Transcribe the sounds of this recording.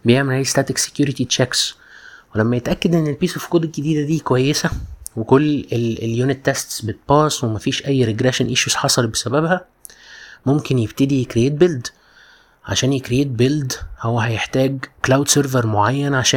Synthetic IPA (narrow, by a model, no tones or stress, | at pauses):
bejeʕmelhæːjist̪æːt̪ekse̥kjuːɾit̪it͡ʃæks | welæmːæjet̪ʔækːæd̪ʔenːelpiːsofkoːd̪eɡɡed̪iːd̪æd̪iːkowæjːesæwekolːeeljunet̪ːæst̪sbet̪̚bɑːswemæfiːʃʔæjːɾeɡɾeʃenʔeʃjusħɑsˤɑlbesæbæbhæ | momkenjebt̪ed̪ijekɾejeːt̪̚beld̪ | ʕa̰ʃæːnjekɾejeːt̪̚beld̪howːæɦæjeħt̪æːɡklawd̪seɾveɾmoʕajːænʕaʃæː